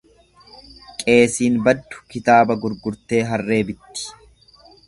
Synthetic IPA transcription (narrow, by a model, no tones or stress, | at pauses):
kʼe̞ːsiːnbɐd̪ːʊ̥kɪt̪aːbɐɡʊɾɡʊɾt̪e̞ːɦɐrːe̞ːbɪt̪ːɪ̥